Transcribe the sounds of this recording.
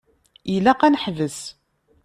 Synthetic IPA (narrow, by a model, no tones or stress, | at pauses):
ilæqænəħvəs